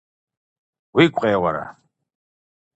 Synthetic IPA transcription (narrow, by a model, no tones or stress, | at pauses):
wikʷʼqʼɛːwaɾa̰